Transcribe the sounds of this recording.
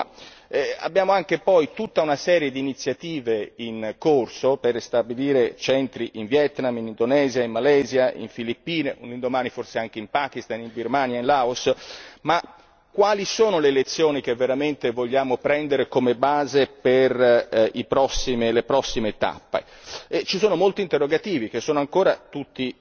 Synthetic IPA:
a̰bːjaːmoaŋk̟epɔjt̪ut̪ːaunasɛːɾjed̪iːnit̪sːjat̪iːveinkorsoperst̪abiliːɾet͡ʃɛnt̪ɾiʔiɱvjɛt̪naminind̪onɛːzjaimmːalɛːzjaḭɱfilipːiːneʔunind̪omaːniforseaŋk̟eimpaːk̟ist̪animbirmaːnjainlaːosma | kːwaːlisoːnoleːlet̪sːjoːnik̟evːeɾament̪evoʎːaːmopɾɛnd̪eɾekomebaːzeperipɾɔsːimelepɾɔsːimet̪a̰pːḛ | et͡ʃisoːnomolt̪iːnt̪erːoɡat̪iːvik̟esːoːnoaŋkoːɾat̪ut̪ːi

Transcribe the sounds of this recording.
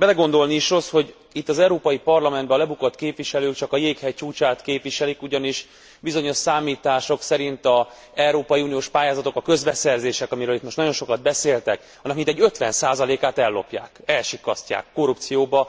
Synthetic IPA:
bɛlɛɡo̞nd̪o̞lniiʃro̞sho̞ɟ | it̪ːɒzɛwɾoːpɒjipɒrlɒmɛnd̪bɛɒlɛbukot̪keːpʋiʃɛløːkt͡ʃɒkɒjeːkhɛjt͡ʃuːt͡ʃaːt̪keːpʋiʃɛlikuɟɒniʃ | bizo̞ɲo̞ʃsaːmiːt̪aːʃo̞ksɛɾint̪ɒ | ɛwɾoːpɒjiunijoːʃpaːjaːzɒt̪o̞kɒkø̞zbɛsɛrzeːʃɛkɒmiɾøːlit̪mo̞ʃtnɒɟjo̞nʃo̞kɒd̪̚bɛseːlt̪ɛk | ɒnːɒkmint̪ɛɟːø̞t̪ʋɛnsaːzɒleːkaːt̪ɛlːo̞pja̰ːkɛlʃikːɒstca̰ːkːo̞ɾupt̪sijoːbɒ

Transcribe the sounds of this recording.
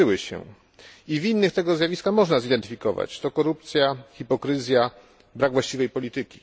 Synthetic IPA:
ɘwɘɕɛ̰ | ivinːɘxt̪ɛɡɔzʲjavʲiskaxmɔʐnazid̪ɛnt̪ɘfʲikɔva̰t͡ɕt̪ɔkɔɾup̚t̪sʲjaxʲipɔkɾɘzʲja | bɾaɡvwaɕt͡ɕivɛjpɔlʲit̪ɘkʲi̥

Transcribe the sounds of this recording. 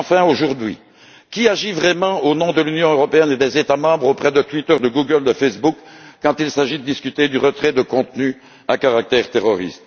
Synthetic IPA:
fɛ̃oʒuʁd̪ɥḭ | kʲiaʒivʁɛmɑ̃onɔ̃d̪əlynjɔ̃øʁɔpeɛned̪ɛzet̪amɑ̃bʁopχɛd̪ət̪wit̪œʁd̪əɡuɡəld̪əfesbukːɑ̃t̪ilsaʒid̪əd̪iskʲyt̪ed̪yʁət̪χɛd̪əkɔ̃t̪ny | akaʁak̚t̪ɛʁt̪eʁɔʁḭst̪

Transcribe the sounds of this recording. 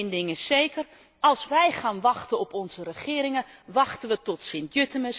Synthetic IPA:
ndɪŋəsejkər | ɑlˠsʋɛjχaːnʋɑxtəɔpɔnzərəχɪːɾɪŋəʋɑxtənʋətɔtsɪntjøtəməs

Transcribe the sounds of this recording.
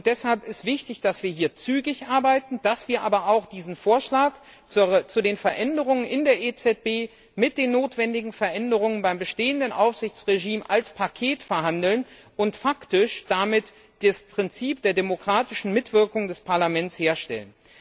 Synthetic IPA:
ʊnt̚d̥ɛshalpɪstv̥ɪçtɪçd̥asv̥iːɐɦiːɐt͡syːɡɪçʔaɐbaɪtn̩d̥asv̥iːɐʔa̰ːbɐaʊxd̥iːzn̩foːɐʃlaːk | t͡sːt͡sudeːnfɛɐʔɛndəʁ̞ʊŋənʔɪndeːɐʔet͡sɛt̚b̥eː | mɪt̚d̥eːnːoːtv̥ɛndɪɡŋ̩fɛɐʔɛndəʁ̞ʊŋənbaɪmbəʃteːəndənʔa̰ʊfz̥ɪçt͡sʁeʒiːmʔa̰lspʰakʰeːtfɛɐɦandl̩nʔʊntfaktɪʃd̥amɪt | d̥aspʁ̥ɪnt͡siːp̚d̥eːɐdemokʁ̥aːtɪʃn̩mɪtv̥ɪɐkʊŋdɛspʰaɐlamɛntsheːɐʃtɛ̰lən

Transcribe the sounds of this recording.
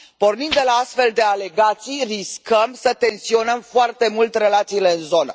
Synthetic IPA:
po̞rnind̪elaast̪fe̞ld̪e̞ale̞ɡat̪sijriskəmsət̪e̞nsio̞nəmfoart̪e̞mult̪re̞lat̪siːle̞ɨnzo̞nə̰

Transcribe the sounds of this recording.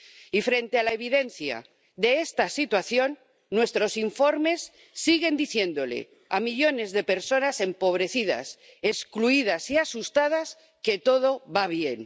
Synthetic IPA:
ifɾe̞nt̪e̞alaeβ̞iðe̞n̟θja̰ | ðe̞est̪asit̪waθjo̞nː | we̞st̪ɾo̞siɱfo̞ɾme̞sː | iɣe̞nd̪iθje̞nd̪o̞le̞̰ | amiʎo̞ne̞zðe̞pe̞ɾso̞nase̞mpo̞β̞ɾe̞θið̞a̰s | eskluið̞asiasust̪aðas | ke̞t̪o̞ð̞o̞βaβje̞n

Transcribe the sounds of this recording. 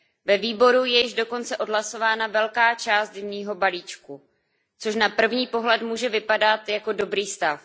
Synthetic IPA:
vɛviːbo̞ɾujɛjɪʒdo̞ko̞nt͡sɛʔo̞dɦlaso̞vaːnavɛlkaːt͡ʃaːst̪̚dɛɲiːɦo̞baliːt͡ʃku | t͡so̞ʃ̬napr̩vɲiːpo̞ɦlɛt̪muːʒɛvɪpadat̪jako̞do̞bɾiːst̪af

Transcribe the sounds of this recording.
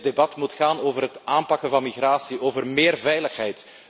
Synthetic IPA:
debɑtmutxaːnoːvərɦətaːmpɑkəvɑnmiɣraːsiʔoːvərmɪːrvɛjləxɦɛjt

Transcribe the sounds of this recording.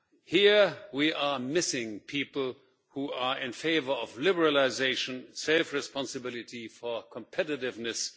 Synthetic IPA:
hiɹwiʔa˞mɪsɪ̃ŋpʰipl̩ˠ | hua˞ɪ̃nfeɪvə˞ʌvlɪbəɹəlɪzeɪʃə̃nseɪfɹɨspɑ̃nsɨbɪlˠɨtifɔ˞kʰə̃mpʰɛɾɨɾɪvnɨs

